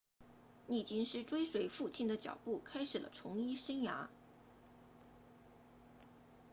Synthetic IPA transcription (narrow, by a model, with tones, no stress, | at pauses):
ni˥˩t͡ɕi˥nʂɻ̩˥ʈ͡ʂwe˥ɪʂwe˧˩ɪfu˥˧t͡ɕʰi˥˩nd̪ə˦t͡ɕjɑ̰˨˩ʊpu˥˩kʰa˥ɪʂɻ̩˨˩lə̰˦ʈ͡ʂʰʊ˧˥ŋi˥ʂə˥nja̰˧˥